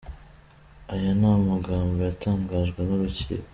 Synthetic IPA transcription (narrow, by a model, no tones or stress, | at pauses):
ajanamuɡaːmbojataːŋɡaːʒɡwenuɾucḭːɾo